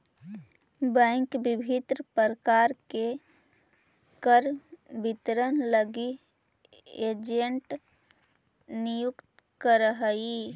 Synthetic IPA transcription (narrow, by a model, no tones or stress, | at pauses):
bɛ̃ŋkbɪbʱit̪ɾpəɾəkaɾke | kəɾbit̪ɾənləɡi | ed͡ʒeɳʈ | nijukt̪ | kəɾəɦəi